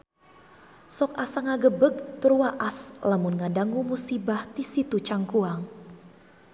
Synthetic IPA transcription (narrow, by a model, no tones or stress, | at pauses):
sɔkasaŋaɡəbəɡ̚t̪əɾuwaʔaslamunŋadaŋumusibaht̪isit̪ut͡ʃaŋkuaŋ